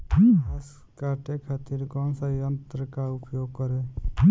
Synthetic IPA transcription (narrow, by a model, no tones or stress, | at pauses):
as | kaʈekʰat̪iɾkɔnsəjənt̪ɾəkaupjoɡ̚kəɾe